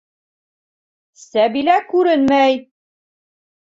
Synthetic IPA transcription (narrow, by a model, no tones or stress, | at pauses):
sæbilækʉɾɘnmæj